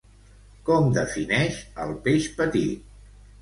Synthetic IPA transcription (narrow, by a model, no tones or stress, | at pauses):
kɔmd̪əfinɛʃəlˠpeʃpət̪it̪̚